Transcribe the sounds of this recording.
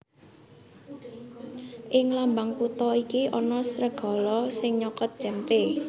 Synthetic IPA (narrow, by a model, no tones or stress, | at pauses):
ʔɪŋlambaŋput̪ɔikiʔɔnɔsɾəɡ̥ɔ̤lɔsɪŋɲɔkɔt̪̚d̥ʒ̥ɛmp̪e